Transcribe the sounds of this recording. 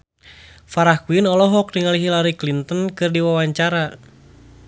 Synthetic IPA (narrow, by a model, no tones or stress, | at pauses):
faɾahkuinɔlɔɦɔk̚diŋaliɦilaɾiklint̪ənkɨrdiwawaɲt͡ʃaɾa